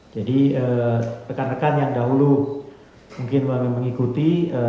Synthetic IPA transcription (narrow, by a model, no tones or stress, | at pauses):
d͡ʒadiət̪əkarnəkanjaŋdaɦulu | muŋkɪnmaŋaməŋikut̪iə